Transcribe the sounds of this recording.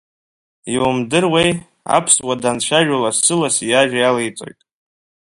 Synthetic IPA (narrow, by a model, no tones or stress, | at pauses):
iumdɨrwej | a̰pʰswadant͡ɕʷʰaʒᶣalasɨlasijaʒᶣajalejt͡sʼo̞̰jtʼ